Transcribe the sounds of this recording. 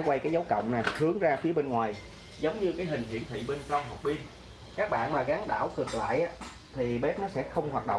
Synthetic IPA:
kwa˧jkaː˨˦jza˨˦wkə̰˧˨wŋ͡mnaː˨˩hɨ˨˦əŋzaː˧fi˨˦əɓe˧nŋwaː˨˩j | zə˨˦wŋ͡mɲɨ˧kaː˨˦jɦï˨˩ŋ̟hḭ˧˩ənt̪ʰḭ˧˨ɓe˧nka˧wɦə˨˩k͡p̚ɓi˧ən | kaː˦˥k̚ɓa̰ː˧˨nmaː˨˩ɣaː˨˦ŋɗa̰ː˧˩wkɨ˨˩ək̚la̰ː˧˨jʔaː˦ | t̪ʰi˨˩ɓe˦˥p̚nɔ˨˦sɛ̰˧˥xə˧wŋ͡mhwaː˨˩t̚ɗə̰˧˨ŋ͡m

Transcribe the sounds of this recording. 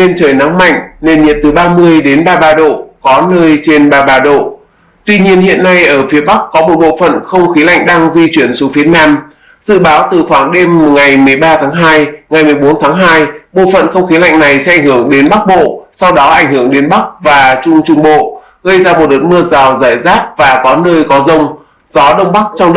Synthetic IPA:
ne˧nt͡ɕəː˧˩jna˨˦ŋma̰˧˨jŋ̟ne˧nɲḭ˨˩t̪ɨ˨˩ɓaː˧mɨ˧əjɗe˨˦nɓaː˧ɓaː˧ɗo̰˧˨kɔ˨˦nəː˧jt͡ɕe˧nɓaː˧ɓaː˧ɗo̰˧˨ | t̪wi˧ɲi˧ənhḭ˧˨ənːa˧jʔəː˧˩fi˨˦əɓa˦˥kkɔ˨˦mo˨˩t̚ɓo̰˧˨fə̰˧˨nxə˧wŋ͡mxi˨˦la̰˧˨jŋ̟ɗaː˧ŋzi˧t͡ɕwi˧˩ənso˨˦fi˨˦ənaː˧m | z̥ɨ̰˧˨ɓaː˨˦wt̪ɨ˨˩xwaː˧˩ŋɗe˧m˩ŋa˨˩jmɨ˨˩əjɓaː˧t̪ʰaː˨˦ŋɦaː˧jŋa˨˩jmɨ˨˩əjɓo˨˦nt̪ʰaː˨˦ŋɦaː˧jɓo̰˧˨fə̰˧˨nxə˧wŋ͡mxi˨˦la̰˧˨jŋ̟na˨˩jsɛ̰˧˦ʔa˧˩ŋ̟hɨ˧˩əŋɗe˨˦nɓa˦˥k̚ɓo̰˧˨sa˧wɗɔ˨˦ʔa˧˩jŋ̟hɨ˧˩əŋɗe˨˦nɓa˦˥k̚vaː˨˩t͡ɕʊ˧ŋ͡mt͡ɕʊ˧ŋ͡mɓo̰˧˨ | ɣə˧jzaː˧mo˨˩t̚lə˨˩t̚mɨ˧əzaː˨˩wza̰ː˧˩jzaː˦˥t̚vaː˨˩kɔ˨˦nəː˧jkɔ˨˦zə˧wŋ͡m | zɔ˨˦ɗə˧wŋ͡mɓa˦˥k̚t͡ɕɔ˧wŋ͡m

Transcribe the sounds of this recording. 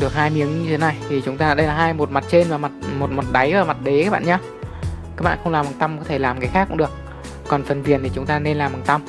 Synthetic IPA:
ɗɨ˨˩ək̚haː˧jmi˨˦əŋɲɨ˧t̪ʰe˨˦na˨˩jt̪ʰi˨˩t͡ɕʊ˨˦ŋ͡mt̪aː˧˨˩ɗə˧jlaː˨˩ɦaː˧jmo˨˩t̚ma˨˩t̚t͡ɕe˧nvaː˨˩ma˨˩t̚mo˨˩t̚mo˨˩t̚ɗa˨˦jvaː˨˩ma˨˩t̚ɗe˨˦kaː˧˦˥ɓa̰ː˧˨ɲaː˧ | kaː˨˦˥k̚ɓa̰ː˧˨xə˧wŋ͡mlaː˨˩ma˨˩t̪a˧mkɔ˨˦t̪ʰe˧˩laː˨˩mkaː˨˦jxaː˦˥kʊ̰˧˥ŋ͡mɗɨ˨˩ək̚ː | ɔ˨˩nfə˨˩nvi˨˩ənt̪i˨˩t͡ɕʊ˨˦ŋ͡mt̪aː˧ne˧nlaː˨˩ma˨˩t̪a˧m

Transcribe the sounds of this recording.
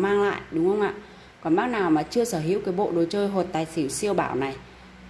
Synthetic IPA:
maː˧ŋla̰ː˧˨jʔɗʊ˨˦ŋ͡mhə˧wŋ͡mʔa̰ː˧˨ | kɔ˨˧˦nmɓaː˦˥k̚naː˨˩wmaː˨˩t͡ɕɨ˧əsəː˧˩ɦḭ˨˧˦əwkaː˨˦jɓo̰˧˨ɗo˨˩t͡ɕəː˧jɦo˨˩t̚t̪aː˨˩jsi˧˩˦si˧əwɓaː˧˩wna˨˩j

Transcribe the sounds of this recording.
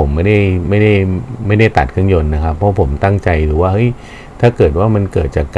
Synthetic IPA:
o˩˦mːa˥˩da˥˩jma˥˩jda˥˩jma˥˩jda˥˩jt̪a˨˩t̪̚kʰɯ˥˩əŋjo˧nːa˦˥kʰa˦˥pʰːɔ˧˦˥pʰo˩˦mt̪a˥˩ŋt͡ɕa˧jɾɯː˩˦waː˥˩hɤ˦˥j | t̪ʰaː˥˩kɤː˨˩t̪̬̚waː˥˩ma˧nkɤː˨˩t̪̚t͡ɕaː˨˩kː

